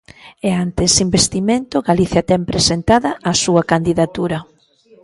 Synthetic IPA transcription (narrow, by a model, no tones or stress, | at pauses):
ɛant̪esimbest̪imẽnt̪ʊɣaliθjɐt̪ɛmpɾesent̪aðɐʔːsuɐkand̪iðat̪uɾɐ